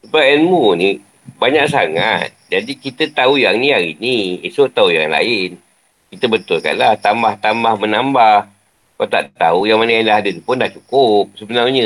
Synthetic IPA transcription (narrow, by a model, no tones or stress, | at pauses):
subaɛnmuni | baɲaʔs̬aŋat̪̚d͡ʒadikit̪ət̪aujaŋniaḭniesoʔt̪auja̰ŋla̰ɪn | kit̪əbət̪ʊlka̰nlaht̪ambaht̪ambahmənambah | kat̪a̰ʔt̪a̰ujaŋmanəjaŋdaɦadənipʊndaʔt͡ʃukʊp̚səbənarɲə